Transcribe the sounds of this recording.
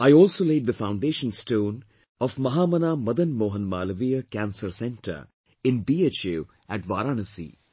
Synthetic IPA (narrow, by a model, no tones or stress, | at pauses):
aɪɔːlsoːleːɖ̚d̪əfãʊ̃ɳɖeːʃə̃nsʈõːn | ɔʋmɐɦaːmɐnamɐd̪ənmoːɦə̃nmaːləʋiːəkæ̃nsəɾsɛ̃nʈʰə̰ɾ | ɪ̃nbiːet͡ʃe | æʈʋaːɾaːnəsḭː